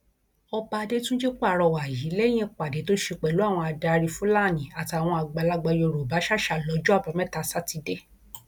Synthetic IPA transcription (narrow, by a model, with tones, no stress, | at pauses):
ɔ˧ba˧de˦tũ˦d͡ʒe˦k͡pa˦˨ɾɔ˧˨wa˨ji˨˦lɛ˦j̃ɛ̃˦k͡pa˨de˨˦to˦ʃe˧k͡pɛ˨lu˦a˦˨w̃ɔ̃˧a˧da˧ɾi˧fũ˨˦la˦˨nĩ˨a˨ti˨a˨w̃ɔ̃˧a˧ɡ͡ba˨˧˨la˧˦ɡ͡ba˧jo˧˨ɾo˨ba˨˦ʃa˦˨ʃa˦˨lɔ˨˦d͡ʒɔ˦a˦˨ba˨˧˦mɛ̃˦ta˧sa˦ti˧de˦